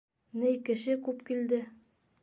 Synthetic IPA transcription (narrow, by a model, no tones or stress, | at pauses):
nɘjkɘ̆ʃɘkʉpkild̪ɘ